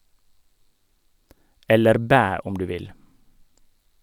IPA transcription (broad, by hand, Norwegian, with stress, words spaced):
ˈɛləɾ ˈbæː ˈʊm ˈdʉː ˈʋɪl